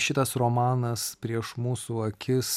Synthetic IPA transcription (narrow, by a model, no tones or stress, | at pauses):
ʃʲɪt̪ɐsɾoːmɑːnɐspʲɾʲiɛʃmuːsuːɐkʲɪs